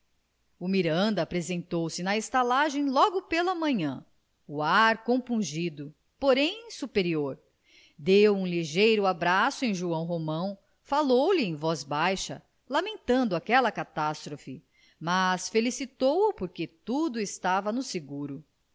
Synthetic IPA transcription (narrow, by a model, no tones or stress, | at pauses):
umiɾɐ̃nd̪ɐpɾezẽnt̪owsɪnɐest̪alaʒẽj̃lɔɡʊpelɐmɐ̃ɲɐ̰̃ | uaɾkõpũʒid̪ʊ | poɾẽj̃supeɾioɾ | d̪ewũliʒejɾʊabɾasʊẽj̃ʒuɐ̃w̃ɦomɐ̃w̃ | falowlɪẽj̃vɔzbajʃɐ̰ | lamẽnt̪ɐ̃nd̪ʊakɛlɐkat̪ast̪ɾofɪ | mɐsfelisit̪owʊpoɾket̪ud̪ʊɪst̪avɐnʊseɡuɾʊ